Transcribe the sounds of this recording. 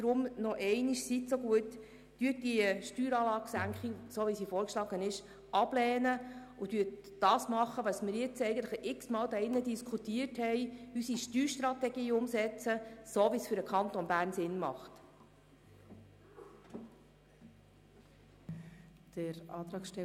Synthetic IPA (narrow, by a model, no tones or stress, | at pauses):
d̥ɾʊmnɔʔɛɪniʃsit̪soɡuət | d̥yət̚diʃtyːɾɑːlɑːɡsæŋkχisoːʋisifɔːɾkʃlɑːɡənɪʃ | ʔɑb̥lɛːnə | ʊd̥yət | d̥ɑːsmɑχːəʋɑsmɪɾjɪt͡sɛɪɡən̩t̪ləχɪksmɑːld̪ɑɪnːədiskʰχutiəɾthɛɪysiʃtyːɾʃtɾɑt̪ɛɡiːʊmsɛt͡səsoːʋisfʏɾəkʰɑnt̪ɔnbæːɾnsɪnmɑ̰χt | d̥əɾɑːt̪ɾɑːkʃtɛ